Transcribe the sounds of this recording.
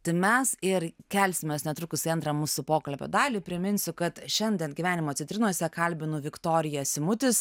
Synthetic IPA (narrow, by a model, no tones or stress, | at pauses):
t̪ɪmʲɛsɪrkʲɛlʲsʲɪmʲeːsnʲɛt̪ɾʊkʊsʲɪɐnt̪ɾɐmuːsʊpoːkɐlʲpʲo̰ːd̪ɑːlʲɪpʲɾʲɪmʲɪnʲsʲʊkɐt̪ʃʲɛnʲd̪ʲɛnɡʲiʋʲæːnʲɪmoːt̪t͡s̪ʲsʲɪnt̪ʲɾʲɪnuɔsʲɛkɐlʲbʲɪnʊʋʲɪkt̪oːɾʲɪjɛsʲɪmʊt̪ʲɪs